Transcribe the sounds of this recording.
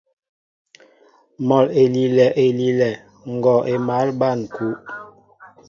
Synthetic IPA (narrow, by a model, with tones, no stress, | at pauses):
mɔ˨le˨li˨lɛ˨ʔe˨li˨lɛ˨ | ŋ̩˨ɡɔ˨ʔe˨ma˨˦lba˦˨n˨ku˨˦